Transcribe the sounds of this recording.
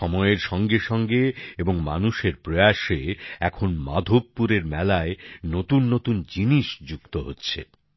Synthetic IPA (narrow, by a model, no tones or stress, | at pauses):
ʃɔmɔeeɾʃɔŋɡeʃɔŋɡeeboŋma̰nuʃeɾpɾojaʃeɛkʰonma̰d̪ʱobːuɾeɾmɛlaenot̪unːot̪und͡ʑiniʃd͡ʑukt̪oɦotːɕʰḛ